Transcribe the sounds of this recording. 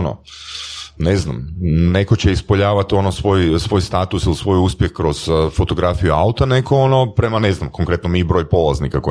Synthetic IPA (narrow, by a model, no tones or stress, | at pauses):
no̰ | ne̞zna̰mne̞ko̞t͡ɕe̞ispoʎaːʋat̪io̞nosʋo̞ːjsʋo̞ːjst̪aːt̪usilisʋo̞juspjexkɾo̞z̥fo̞t̪o̞ɡɾafijuaut̪ane̞koono̞pɾe̞mane̞znamkoŋkɾe̞t̪nomiːbɾo̞ːʎpo̞lˠaznikako